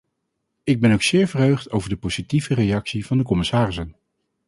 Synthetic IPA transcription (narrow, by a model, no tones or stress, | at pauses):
ɪɡ̚bɛnowksɪːɹvərɦøɥχtowvəɹdəpowz̥itivərejɑksiv̥ɑndəkɔmɪsaːrɪsən